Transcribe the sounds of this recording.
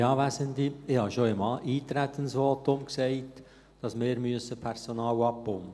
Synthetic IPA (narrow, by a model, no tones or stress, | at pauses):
jɑːʋæsəntliɪhɑʃoəmɑːʔiːtɾætʰːənsʋɔːtʊmksɛɪt | d̥ɑsmeːɾmyəsəpʰɛɾsonɑːwɑpːʊmə